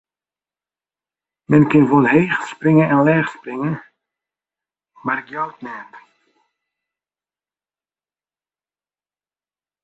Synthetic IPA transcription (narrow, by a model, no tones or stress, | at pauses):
mɛnkɪnvonɦeːχsprɪŋənɛnlɛːχsprɪŋən | maːrɡjɔwt̚nɛːt